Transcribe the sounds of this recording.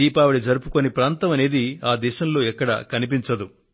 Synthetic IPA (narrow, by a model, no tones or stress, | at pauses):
iːpaːʋɐɽid͡ʒɐɾupuko̞nipɾaːnt̪ɐmɐne̞ːd̪iaːd̪ɛːʃɐmlo̞ːɛkːɐɽɐ̰kɐnip̬iɲt͡ʃɐd̪u